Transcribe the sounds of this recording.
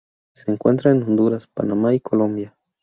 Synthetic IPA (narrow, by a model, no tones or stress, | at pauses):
se̞ːŋkwent̪ɾaenõ̞nd̪uɾaspa̰namaikʰo̞lõ̞mbja